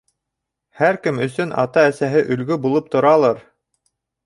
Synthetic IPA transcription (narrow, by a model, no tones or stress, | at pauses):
hæɾkɘmɵ̆sɵnʔɑ̰t̪ɑæsæɦɘʔɵ̆lɡɵbulˠɤp̚t̪ʰŏɾɑlˠɑɾ